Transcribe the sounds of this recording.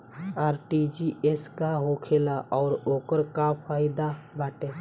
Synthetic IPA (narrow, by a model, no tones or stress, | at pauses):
aːɾʈid͡ʒiʔeskaɦoːkʰeːlaʔɔːɾoːkəɾkafʰaːɪd̪abʱaːʈẽ